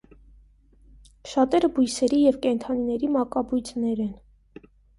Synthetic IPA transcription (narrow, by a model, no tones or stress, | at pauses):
ʃɑt̪ɛɾəbujsɛɾijɛvkɛnt̪ʰɑninɛɾimɑkɑbujt͡sʰnɛɾɛn